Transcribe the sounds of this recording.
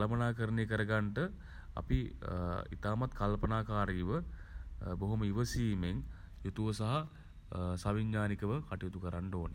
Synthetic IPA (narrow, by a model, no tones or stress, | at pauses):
lmənaːkəɾəneːkəɾəɡaɳʈə | a̰pi | ḭt̪aːmat̪kalpənaːkaːɾijʋə | boɦoməiʋəsiːmeŋ | jot̪uʋəsaɦa | saʋiɲːaːnikəʋəkaʈijut̪ukəɾaɳɖoːne